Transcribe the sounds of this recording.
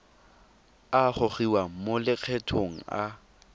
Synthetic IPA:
aχʊχiwamolɪq͡χʰɛtʰoŋ̩a

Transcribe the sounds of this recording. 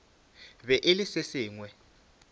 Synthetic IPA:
βɛʔɪlɪsɪsɪːŋwɛ

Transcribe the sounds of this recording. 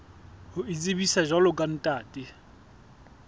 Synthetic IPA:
hʊit͡sʼɪbisaʒalʊkʼan̩tʼaːtʼɪ

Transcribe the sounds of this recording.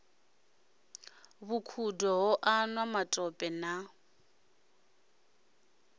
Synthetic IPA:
βukʰudɔɦɔʔanwamatʼɔpʼɛna

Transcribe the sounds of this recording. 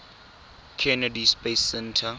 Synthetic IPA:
kʰɛnɛdispesːɛntʰa

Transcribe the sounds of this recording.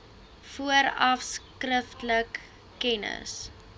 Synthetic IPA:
fuəɾɐfskrəftləkː | ɛnə̰s

